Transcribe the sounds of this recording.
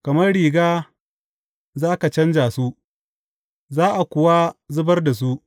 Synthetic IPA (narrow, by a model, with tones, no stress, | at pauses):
kɐ˨mɐ˦rɽiː˨ɡaː˦ | zaː˦ka˨t͡ʃɐ˦nd͡ʒaː˨su˦ʔ | zaː˦ʔa˨kʷʊ˨wa˦zʊ˦bɐ˦rda˨s̬u˦ʔ